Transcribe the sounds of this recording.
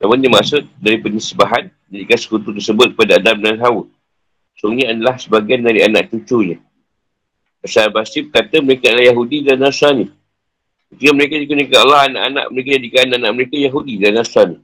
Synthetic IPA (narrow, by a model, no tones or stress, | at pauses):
namʊndimaʔsʊt̪̚daɾipənisəbaɦan | d͡ʒadikansə̥kut̪ut̪ərsəbʊt̪̚k̚əpadaadamnanɦawə | soŋɲaadalahsəbaɡiandaɾiana̰ʔ̚t͡ʃut͡ʃuɲə | bəsaɾbasipəkat̪əməɾekaadlahjaɦudidalnasani | ut̪uɡaməɾekadikunəkaalːaɦana̰ʔana̰ʔməɾek̬ad͡ʒadikaanaʔanaʔməɾekajaɦudidaanasani